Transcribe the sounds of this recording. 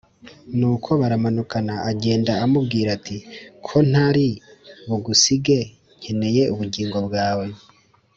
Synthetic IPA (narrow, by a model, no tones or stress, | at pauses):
nuːkʰo̞βaɾamanukanaaɟe̞ːndaːmubɡiːɾatʰikʰo̞n̥aɾiβuɡusiɡe̞ | ɲ̥eneje̞ʔuβuɟiːŋɡo̞bɡaːwe̞